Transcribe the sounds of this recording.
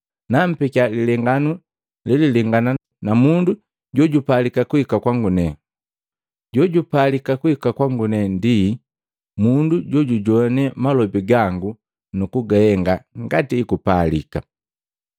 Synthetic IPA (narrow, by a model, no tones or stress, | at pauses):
nam̩pikalilɛŋɡanu | lɛlilɛŋɡana | namundu | ɟɔɟupalikakuhikakwaŋɡunɛ | ɟɔɟupalikakuhikakwaŋɡunɛndi | munduɟɔɟuɟɔnɛmalɔbiɡaŋɡu | nukuɡahɛŋɡaŋɡatiːkupalḭka